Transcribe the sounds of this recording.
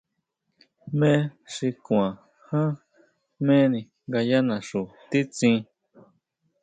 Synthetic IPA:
mẽ˦˧ʂi˧kũ˧˨ã˨ | hã˦ | mẽ˦nĩ˧ | ŋɡa˧ja˦nã˨ʂu˨t̪i˦t͡sĩ˧

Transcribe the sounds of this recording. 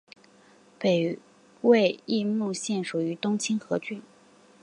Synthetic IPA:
pe˨˩ɪ | we˥˧ɪi˥˧mu˥˧ɕjɛ˥˩nʂu˨˩y˧˥t̪ʊ˥ŋt͡ɕʰi˥nxɤ˧˥t͡ɕy˥˩n

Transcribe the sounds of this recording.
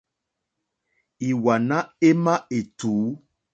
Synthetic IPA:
i˨wa˨nã˦e˦mã˦e˨tuː˨˦

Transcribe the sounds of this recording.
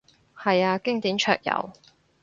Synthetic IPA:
hɐ˨jaː˧kɪ˥ŋt̪iː˨˥nt͡ʃʰœ̰ː˧k̚jɐ̰˨˩w

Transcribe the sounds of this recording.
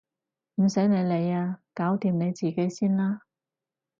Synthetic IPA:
m̩˨˩sɐ˨˥jne˨˧jle˨˧jaː˧kaː˨˥wt̪iː˨mne˨˧jt͡siː˨˩ke˨˥jsiː˥nlaː˥

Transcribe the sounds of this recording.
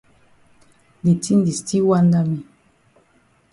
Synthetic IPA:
de˨ti˦n˦di˨sti˦wa˦nda˦mi˨

